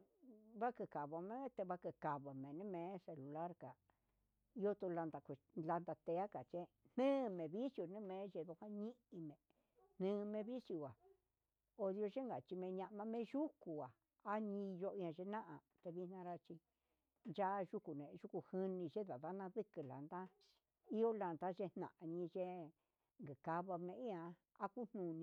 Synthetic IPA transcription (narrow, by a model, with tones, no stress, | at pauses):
βa˦kɨ˧ka˨βa˧mẽ˦e˦t̪e˧βa˧kɨ˧ka˨βa˨mẽ˨nẽ˦mẽ˧˦se˧lu˨la˦ɾka˨ | jo˦t̪u˧la˧nd̪a˧kʷe˨ | la˧nd̪a˧t̪e˧a˦ka˨t͡ʃe˦ | n̥nɨ̃˦˧mẽ˨βi˦sjo˧nɨ̃˦mẽ˧˦ʒe˧ðo˧hã˦ɲĩ˦ʔi˧mẽ˨ | n̥nɨ̃˧mẽ˧βi˦sju˧˨a˨ | o˧ðjo˧ʒe˦ŋɡa˨t͡ʃi˧mẽ˧ɲã˧ʔmã˧˦mẽ˧˦ʒu˦ku˨a˨ | a˦ɲĩ˧jo˧ã˧ʒe˧nã˦ʔa˨ | t̪e˧βi˧˦n̥ã˧ɾa˧t͡ʃi˧ | nd͡ʒa˦˧ʒu˦ku˨nẽ˨˧ʒu˦ku˧hɨ˧nĩ˧ʒe˦ða˨ða˦nã˧ðɨ˦kɨ˨la̰˨nd̪a˦ | i˦o˦la˨nd̪a˦ʒe˧n̥nã̰˨ʔa˧ɲĩ˧ʒe˦ | ŋɡɨ˨ka˧βa˧mẽ˧i˦ã˧˦ | a˦ku˦n̥nũ˧˨nĩ˧